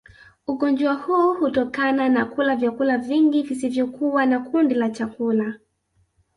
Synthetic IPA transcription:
uɠɔnd͡ʒɔahuːhutɔkananakulavjakulaviŋɡivisivjɔkuwanakundilat͡ʃakula

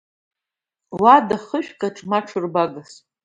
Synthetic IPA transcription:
wadaχəʃᶣkʼaʈ͡ʂʼmaʈ͡ʂʰɨrbaɡas

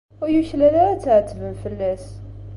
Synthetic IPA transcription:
æjuʃlælæɾæt͡sːaʕt̪ːəvənfəlːæs

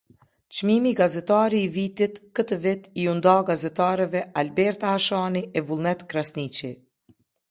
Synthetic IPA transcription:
t͡ʃmimiɡazɛt̪aɾiːvit̪it̪kət̪əvɪt̪iund̪aɡazɛt̪aɾɛvɛalbɛɾt̪ahaʃaniʔɛvulˠnɛt̪kɾasnit͡ʃi

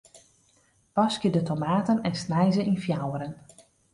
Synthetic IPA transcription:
pɑskjədətomaːtənɛnsnɛjzəʔinfjawəɾən

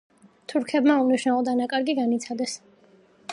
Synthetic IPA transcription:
t̪ʰuɾkʰɛbmauniʃnalˠɔd̪anakʼaɾɡiɡanit̪sʰad̪ɛs

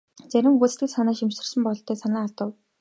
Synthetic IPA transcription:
t͡sæɾʲɪ̆mxut͡s̆t̪ɘ̆ksanaːʃimsə̆rsə̆mpɔɞ̆ɬt̪ʰːæːsanaːaɮt̪ə̆w

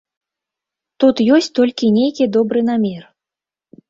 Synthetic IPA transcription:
t̪ut̪jɔsʲt͡sʲt̪ɔlʲkʲinʲejkʲid̪ɔbɾɨn̪amʲɛr

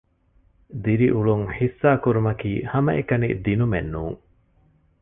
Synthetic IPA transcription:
d̪iɾiʔuɭuŋħisːaːkuɾumɐkiːhɐmɐʔekɐnḭd̪inumenːuːŋ

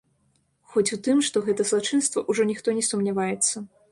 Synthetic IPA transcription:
xɔt͡sʲut̪ɨmʂt̪ɔɣɛt̪ɐzlˠat͡ʂɨnst̪vɐʔuʐɔnʲixt̪ɔnʲɛsumnʲavajɛt̪sːɐ

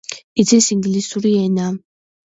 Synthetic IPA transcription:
izɛsiŋɡlisuɾiɛna

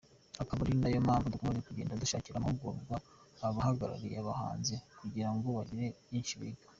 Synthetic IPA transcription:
akaβaɾindajo̞mhaːɱvudukomazekuɟeːndaduʃaːciɾamuɡoːɡaː | βahaɡaɾa̰ɾijeaβaha̰ːnzekuɟiɾaŋɡo̞βaɾiɾe̞jiːnʃiβḭːɡḁ

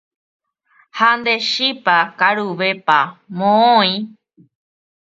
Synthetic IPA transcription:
hand̪eʃipakaɾuʋepamõõĩ

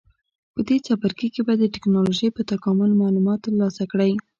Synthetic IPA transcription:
pəd̪et͡sɑpaɾkikebajad̪ːəʈɪknɑloʒəjpət̪akɑmʊlmɑlumɑt̪ːlɑsakɽaj

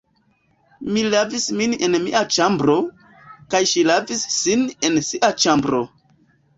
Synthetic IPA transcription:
milavismine̞nmḭʔat͡ʃambɾo̞ | kajʃilavisːine̞nsiʔat͡ʃambɾo̞

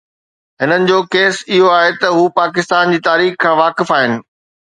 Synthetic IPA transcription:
ɦɪnənɪ̆d͡ʑoːkeːsɪɦoaːɦet̪ɐɦuːpaːkɪst̪aːnd͡ʑiːt̪aːɾiːxkʰãːʋaːkɪfaːɦɪnɪ̆

